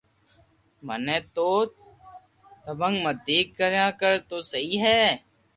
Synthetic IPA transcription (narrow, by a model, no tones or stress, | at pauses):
mənẽːt̪oː | t̪əbəŋɡməd̪iːkːəɾjãːkəɾt̪oːsəɦiːɦɛː